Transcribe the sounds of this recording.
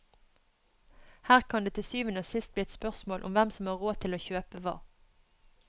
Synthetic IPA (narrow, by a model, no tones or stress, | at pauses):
hæːʁkʰɑnd̪eːt̪ʰɪsyːʋənəsɪst̪̚bliːɛt̪spœʁsmoːlʔʊ̰mʋɛmsɔmhɑːʁoːt̪ʰɪloːçøːpəʋɑ̰ː